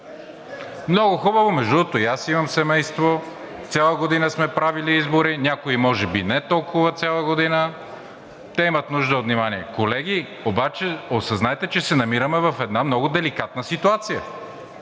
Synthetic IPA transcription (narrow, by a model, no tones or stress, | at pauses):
mnɔɡʊxubəvomɛʒd̪ut̪oijasimɐmsɛmɛjst̪vo | t̪sʲjalˠəɡod̪inəsmɛpɾaviliizboɾinʲakoimɔʒɛbinɛt̪ɔlˠkʊvəsʲalˠəɡod̪inə | t̪ɛimɐt̪nuʒd̪əot̪vnimaniɛkolɛɡ̟ʲi | obat͡ʃɛosɐznaɛt̪ɛt͡ʃɛsɛnɐmiɾəmɛvɐfɛd̪namnɔɡʊd̪ɛlikat̪̚nəsit̪uat̪sijə